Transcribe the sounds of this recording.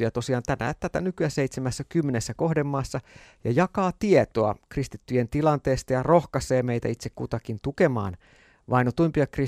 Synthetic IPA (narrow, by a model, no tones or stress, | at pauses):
jɑt̪o̞siɑːnt̪ænæ̰t̪æt̪ænykyæseit̪semæsːækymːenesːæko̞hdemːɑːsːɑjɑjɑkɑːt̪iet̪oɑ̰krist̪it̪ːyjent̪ilɑnt̪eːst̪ɑjɑrohkɑseːmeit̪æit̪sekkut̪ɑkint̪ukemɑ̰ːn | ʋɑinot̪umpiʋɑkri